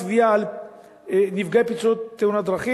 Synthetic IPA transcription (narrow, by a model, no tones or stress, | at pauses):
vijaːl | nivɡepit͡suot̪ːeunad̪ɾaχi